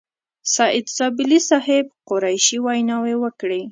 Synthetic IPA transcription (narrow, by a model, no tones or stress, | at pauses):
sɑʔɪd̪zɑbɪlisɑɦɪbqʊɾajʃiwajnɑwewəkɽi